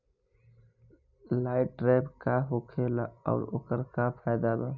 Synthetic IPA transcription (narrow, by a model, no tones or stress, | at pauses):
laːɪʈːɾaːjbkaɦokʰelaɔ̰ːɾo̰kəɾkapʰajd̪aːb̪aː